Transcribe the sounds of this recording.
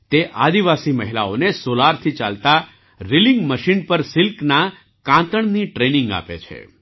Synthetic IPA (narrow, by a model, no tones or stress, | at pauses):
t̪eʔad̪iʋasiməɦila̰onesolaɾt̪ʰit͡ʃa̰lt̪a | ɾilĩŋɡməʃinpəɾsɪlkna | kãt̪əɳniʈɾenĩŋɡa̰pḛt͡ʃʰḛ